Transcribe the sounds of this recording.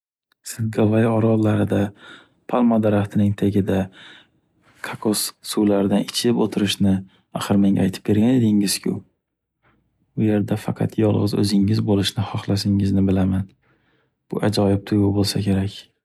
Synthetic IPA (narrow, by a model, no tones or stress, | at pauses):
sɪzɡavajɒɾɒllːaɾɪd̪a | pʰalˠmad̪aɾaχt̪ʰɪnɪŋt̪ʰeɡʲɪd̪a | kʰakʰossulaɾɪd̪anɪt͡ʃʰɪɪpot̪ʰɪɾɪʃnɪ | a̰χɨɾmeŋajt̪ʰɪp̚be̞ɾɡʲane̞d̪ɪŋɪz̥kʲʰʊ̰ | ʊje̞ɾd̪afɑqʰɑ̰t̪ʰjɒlˠʁɨzɵ̰zɪŋɪzbolɪʃnɪχɒχlˠas̬ɪŋɪznɪbɪlaman | b̥ʊʔad͡ʒɒjɪp̚t̪ʰʊjɡʊbolˠsakʲʰe̞ɾakʲ